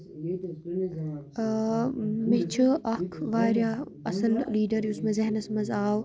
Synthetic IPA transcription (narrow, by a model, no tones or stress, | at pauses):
mɪt͡ʃʰɨʔɐkʰʋaːɾjaɐsɐlliːɖɐɾjusmɐzɐɦnɐsmɐzaːw